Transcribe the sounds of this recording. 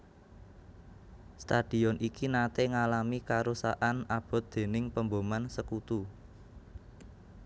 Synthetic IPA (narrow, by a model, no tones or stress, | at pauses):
st̪ad̪̥i̤ɔnʔikinat̪eŋalamikaɾusaʔanab̥ɔ̤t̪̚d̪̥e̤nɪŋpəmbomansəkut̪u